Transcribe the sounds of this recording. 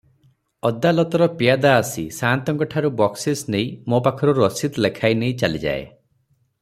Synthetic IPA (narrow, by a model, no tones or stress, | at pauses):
ɔd̪alɔt̪ɔɾɔpijad̪aːsisant̪ɔŋkɔʈʰaɾubɔksisnej̃mopakʰɔɾuɾɔsit̪lekʰajneĩt͡ʃalid͡ʒa̰ḛ